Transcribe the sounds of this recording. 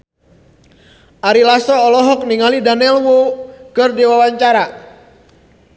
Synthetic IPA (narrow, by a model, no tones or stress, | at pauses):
ʔaɾilasɔːlɔɦɔk̚niŋalidanɛlwokərdiwawaɲt͡ʃaɾa